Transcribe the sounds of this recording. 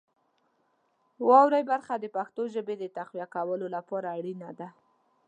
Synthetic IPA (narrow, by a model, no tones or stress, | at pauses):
wɑwɾajbaɾxad̪əpaxt̪oʒəbed̪ət̪axwjakawəlolapɑɾaːɽinad̪a